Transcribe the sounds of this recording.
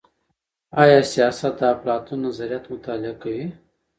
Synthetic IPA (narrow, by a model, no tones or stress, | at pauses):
ɑjɑːsijɑsat̪̚d̪aplɑt̪unːazaɾijat̪mʊt̪ɑːlɪakawi